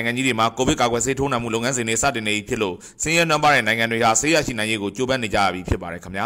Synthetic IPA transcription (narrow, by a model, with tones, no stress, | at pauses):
ɪ̃ŋã˨ɲd͡ʑi˦de˨ma˨ko˨bɪ˦ʔka˨ɡwɛ˨s̬e˦tʰo˦nã˨mṵ˦˨lo˦˨ŋã˦nzɪ̃˨n̥ḛ˦˨sä̰˦˨tɪ̃˨ne˨ʔi˦˨pʰjɪ˦ʔlo̰˦˨ | sɪ̃˦jɛ˦nwã˦mpa˦ɹɛ̰̃˦˨nã˨ɪ̃ŋã˨ndwe˨ha˨se˦ja̰˦˨ʃḭ˦˨nã˨ɪ̃je˦ɡo˨t͡ɕo˦bã˦ne˨d͡ʑa̰˦˨ja̰˦˨bji˨pʰjɪ˦pːa˨ɛ˨kʰəmja̰˦